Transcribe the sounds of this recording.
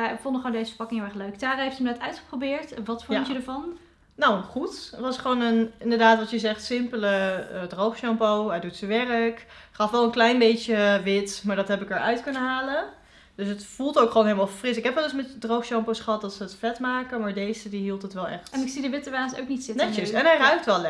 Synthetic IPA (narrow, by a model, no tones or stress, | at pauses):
fondəχʋoːndejzəfəɹpɑkɪŋɦɪlˠɛχløɥktaːrɦejftɪmənɛtœɥtχə̥probɪːɹtʋɑtfʊnjədəɹvɑn | nawχutʋɑsχəʋownənɪndəɹdaːtʋɑtjəzɛχtsɪmpələdrowχʃɑmpowɦɛjdutsəʋɛrək | χɑfʋɛlˠənklɛjnbejt͡ʃəʋɪtmaːɹdɑtɦɛpɪkəɹœ̰ɥtkɵnəɦaːlən | d̥øsɦətfulˠtowkχoːnɦeləmalˠfrɪsɪkɦɛpʋɛldɪsmɛtdrowχʃɑmposχəɦɑt̚dɑtsəətflɛtmaːkəmaːɹdejzədiɦilˠtɦətʋɛlˠɛ̰χtɛnɪksidəʋɪtəʋaːso̰wknitsɪtnɛəssɛnɦɛjrœɥk̚tʋɛlˠɛ